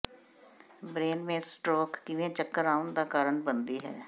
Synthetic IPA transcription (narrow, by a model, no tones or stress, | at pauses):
bɾeːnmẽːsʈɾoːkːɪʋẽːt͡ʃəkːəɾaːʊnd̪aːkaːɾəɳbənd̪iːɦɛ̰ː